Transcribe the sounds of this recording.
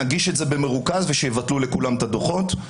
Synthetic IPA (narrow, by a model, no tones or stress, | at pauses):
aɡiʃe̞tze̞be̞me̞ʁukazveʃejevat̪lule̞kulamt̪ad̪o̞χo̞t̪